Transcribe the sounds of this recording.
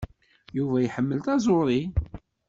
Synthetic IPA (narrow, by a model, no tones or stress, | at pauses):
juvæjħəmːəlt̪æzˤoɾˤi